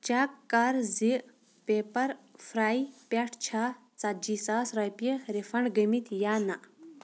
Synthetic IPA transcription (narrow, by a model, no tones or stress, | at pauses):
t͡ʃakːɐɾziʔ | peːpɐɾfɾaːipʲɐʈʰt͡ʃʰaː | t͡sad͡ʒiːsaːsɾɐjpəɾefɐɳɡəmit̪jaːnaʔ